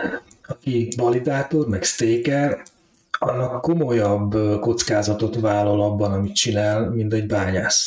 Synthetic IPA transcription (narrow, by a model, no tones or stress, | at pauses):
ɒkivɒlid̪aːt̪o̞rmɛkst̪eːkɛr | ɒnːɒkko̞mo̞jɒbːko̞t̪skaːzɒt̪o̞t̪vaːlːɒlɒbːɒnɒmit̪t͡ʃinaːlmint̪ɛɟbaːɲaːs